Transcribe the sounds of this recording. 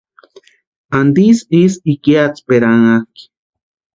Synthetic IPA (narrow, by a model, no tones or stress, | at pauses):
and̪isisikiat͡speɾaŋaki̥